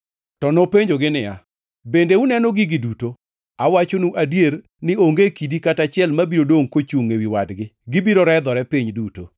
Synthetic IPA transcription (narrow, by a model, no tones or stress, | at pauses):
tɔnopeɲd͡ʒoɡɪnɪja̰ | bendeunɛnoɡɪɡɪduto | awat͡ʃonuʔadjer | nɪoŋɡekidikatat͡ʃɪɛlmabiɾodoŋkot͡ʃuŋːewiwadɡɪɡɪbiɾoɾɛd̪ɔɾɛpiɲduto̰